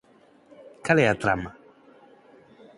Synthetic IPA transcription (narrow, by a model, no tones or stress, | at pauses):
kalɛat̪ɾa̰ma